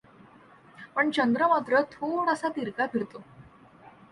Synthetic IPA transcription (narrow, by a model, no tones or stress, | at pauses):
pəɳt͡ɕənd̪ɾəmat̪ɾət̪ʰoɽəsat̪iɾkapʰiɾt̪o